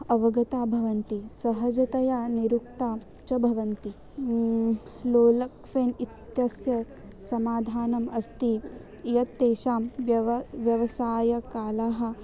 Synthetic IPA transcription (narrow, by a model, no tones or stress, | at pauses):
ɐʋɐɡɐt̪aːbʱɐʋɐnt̪isɐɦɐd͡ʒɐt̪ɐjaːniɾuk̚t̪aː | t͡ʃɐbʱɐʋɐnt̪i | loːlɐkʋeːnit̪jɐsjɐ | sɐmaːd̪ʱaːnɐmɐst̪i | jɐt̪ːeːʃaːmjɐʋʋjɐʋɐsaːjɐkaːlaːɦɐ̆